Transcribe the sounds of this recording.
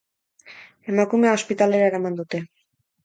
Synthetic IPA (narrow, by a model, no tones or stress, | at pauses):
e̞makumeao̞spit̪ale̞ɾaeɾamand̪ut̪e̞